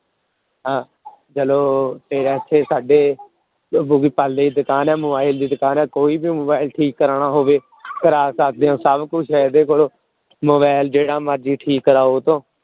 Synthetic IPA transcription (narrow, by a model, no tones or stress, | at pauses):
ɦãː | d͡ʒəloːt̪eːɾɛːsʰeːsaːɖeː | ɡiːpald̪eːiːd̪ʊkaːnɛːmʊbaːɪld̪iːd̪ʊkaːnɛːkoːiːbiːmoːbaːɪlʈʰiːkːəɾɳaːɦoːʋeː | kəɾaːsaːt̪̚d̪eːõːsəbkʊt͡ʃʰɛd̪eːkoːloː | moːβaːɪld͡ʒeːɽaːməɾd͡ʒiːʈʰiːkːəɾaːoːt̪õː